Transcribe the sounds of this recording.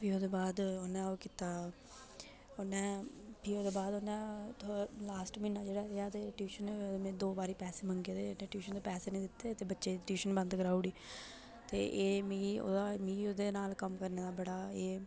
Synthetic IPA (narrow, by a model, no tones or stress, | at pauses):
piːoːd̪eːbaːd̪oːnːɛ̃ːoːkit̪aː | oːnːɛ̃ːpiːoːd̪eːbaːd̪oːnːɛ̃ːt̪ʰolaːsʈmɪnːaːd͡ʒeːɽaːeat̪eːʈjuːʃənmẽːd̪oːbaːɾiːpɛːseːməŋɡeːd̪eːẽːʈjuːʃənd̪eːpɛːseːnə̃iːd̪ɪt̪ːeːt̪eːbətːʃeːd̪ʈjuːʃənbə̃nd̪kəɾaːuːɽiː | t̪ḛːʔeːmĩːo̰ːd̪aːmĩːoːd̪eːnaːlkəmkəɾneːd̪aːbəɽaːeː